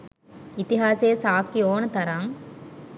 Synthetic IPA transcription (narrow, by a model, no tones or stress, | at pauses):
it̪iɦaːseːsaːkioːnət̪ɐɾaŋ